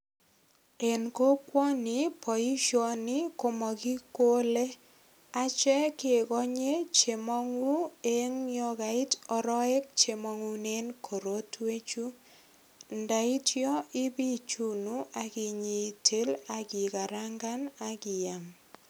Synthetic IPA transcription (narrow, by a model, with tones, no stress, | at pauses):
e˨nko˦kwɔ˦ni˨pɔ˨i˦ʃɔ˦˨nɪ˦ko˦mɔ˨ki˦ko˦le˦ | a˨t͡ʃɛ˦ke˨kɔ˦ɲe˦t͡ʃe˨mɔ˦ŋu˦e˦ŋjɔ˦ka˨ɪ˦tɔ˦ɾɔ˦ɛ˦k̚t͡ʃe˨mɔ˦ŋu˦ne˦nkʰo˨ɾo˦twe˦t͡ʃu˦ | nda˨i˦tjɔ˦ɪ˦bi˦t͡ʃu˦nu˦a˦kɪ˨ɲi˨tʰe˦la˦kɪ˨ka˨ɾa˦ŋɡa˦na˨kɪ˨ja˨m